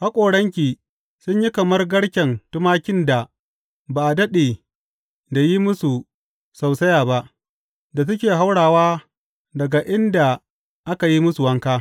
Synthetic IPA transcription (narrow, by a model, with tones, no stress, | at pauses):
ha˦kʷʼoː˨ɽɐ˦ŋk̬ʲiː˨ | sʊ˦ɲji˦kɐ˨mɐ˦rɡɐ˦ɽkʲɛ˨ntʊ˦maː˦kʲɪ˦nda˨ | baː˨ʔa˨dɐ˦ɗe˨ | da˨ji˦mʊ˦su˨ | sa˨wsɐ˦jaː˨ba˦ʔ | da˨s̬ʊ˦kʲeː˨ɦa˦wɽaː˨waː˦ | dɐ˨ɡa˨ʔɪ˦nda˨ | ʔa˦ka˨ji˦mʊ˦su˨wɐ˦ŋkaː˦